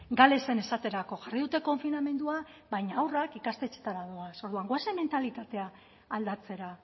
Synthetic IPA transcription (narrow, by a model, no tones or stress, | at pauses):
ɡale̞se̞ne̞sat̪e̞ɾako̞ʝariðut̪e̞ko̞ɱfiname̞nd̪uaβajɲaawrakikast̪e̞t͡ʃe̞̥t̪aɾaðoaso̞ɾðuaŋɡwaseme̞nt̪alit̪at̪e̞aː | ld̪at͡se̞ɾa